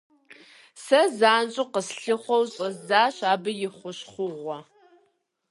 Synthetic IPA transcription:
sɐzaːnt͡ʃʼʊqəsɬɨχʷɔwɕʼɐzzaːɕaːbɨjɪχʷʊɕχʷʊʁʷɔ

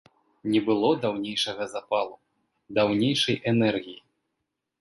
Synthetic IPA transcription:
nʲɛbɨlˠɔd̪awnʲejʂɐɣɐzapalˠu | d̪awnʲejʂɐjʔɛnɛrɣʲiji

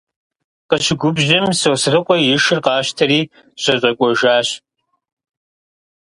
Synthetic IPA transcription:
qəʃɪɡʷʊbʒɐmsowsrɨqʷʼɔjɪʂɨrqɑːʃtʰɐɾiː | ɕʷɐɕʼɐkʷʼɔʒaːɕ

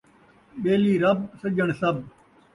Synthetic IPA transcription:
ɓeːliːɾəb̚səd͡ʒəɳsəb̚

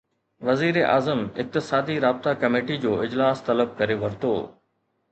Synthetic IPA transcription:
ʋɐziːɾeʔa̰ːzəmɪq̚t̪ɪsaːd̪iɾaːb̚t̪akɐmeːʈid͡ʑoːɪd͡ʑlaːst̪ɐləb̚kɐɾeʋɐɾt̪o̰ː

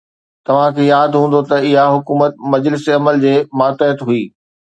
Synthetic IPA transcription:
t̪ɐʋ̤ãkʰeːjaːd̪ɦũːn̆d̪ot̪ɐɪɦaɦʊkuːmət̪̚mɐd͡ʑlɪsiɐməld͡ʑeːmaːt̪eət̪ɦuiː

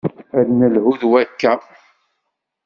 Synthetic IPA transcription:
æɾnəlhuðwækːæ

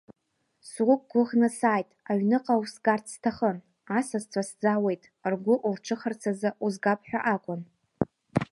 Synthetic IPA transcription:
sʁʷʊkʼɡʷʊʁnasaːjtʼaɥnɨqʼawusɡartʰstʰaχən | asazt͡sʷʰasd͡zawe̞jtʼ | rɡʷʊʔurʈ͡ʂʰɨχərt͡sʰazauzɡapʰʼħʷᶣaʔakʷʼʊn

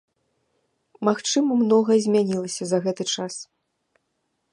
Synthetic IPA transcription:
maxt͡ʂɨmɐmnɔɣɐzʲmʲanʲilˠɐsʲɐzɐɣɛt̪ɨt͡ʂas

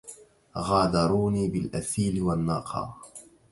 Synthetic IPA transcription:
ɣaːd̪ɑɾˤuːniːbɪlʔaθiːlɪwanːɑ̰ːqʰɑ̰ː

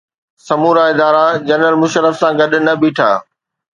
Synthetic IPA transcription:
sɐmuːɾaɪd̪aːɾad͡ʑɐnɾəlmʊʃəɾəfsãɡɐɗ̆nɐbiːʈʰa̰ː

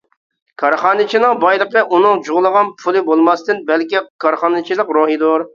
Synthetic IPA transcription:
kʰɑɾχɑːnɪt͡ʃʰinɪŋbɑjlˠəqəʔunɨŋd͡ʒʊʁlˠəʁɑnpʰʊlˠɨbolˠmɑst̪ɨnbɛlkʲikʰɑɾχɑnɨt͡ʃʰilˠəqɾoɦid̪oɾ

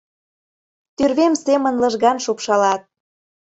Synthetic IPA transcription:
t̪yrβemsemənlɤ̆ʒɣɑnʃupʃɑlɑt̪̚

